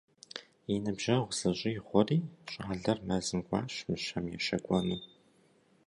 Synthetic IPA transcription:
jinɨbʒ̥ɐʁʷzɐɕʼɪjɪχʷɔriːɕʼaːɮɐrmɐzɨmɡʷʼɑ̰ːɕmɨʃɐmjɛ̰ʃɐkʷʼɔnuː

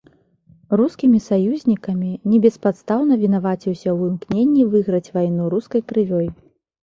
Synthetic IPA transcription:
ruskʲimʲisajuzʲnʲikɐmʲinʲɛbʲɛspat̪st̪awn̪ɐvʲinavat͡sʲiwsʲɐwɨmknʲenʲːivɨɣɾɐt͡sʲvajnuɾuskɐjkɾɨvʲɔj

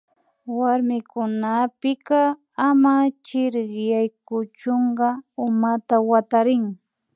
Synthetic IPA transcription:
waɾmɪkʊnapɪkɑ | amat͡ʃɪɾɢjajkʊt͡ʃoɴɢɑʊmat̪awat̪aɾɪŋ

